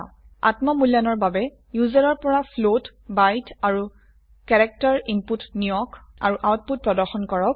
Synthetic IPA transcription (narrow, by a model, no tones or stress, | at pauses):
a̰tmɔmuljanɔɹbabɛ | juzaɹɔɹpɔɹapʰlot | bajtaɹu | kɛɹɛk̚taɹimputnijɔka̰ɹuʔawt̚put̚pɹɔdɔɹxɔnkɔɹɔk̚